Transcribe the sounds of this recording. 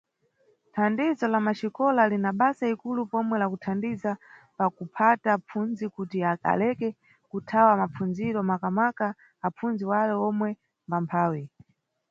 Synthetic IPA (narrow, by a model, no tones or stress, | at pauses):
tʰandizɔlamaʃikɔlalinaɓasaikulupɔmwɛlakutʰandizapakupʰatapʰunzikutia̰lɛkɛ | kutʰawamap͡funziɾɔmakamwakaː | punziwalɛɔmwɛ | mbampʰaːwi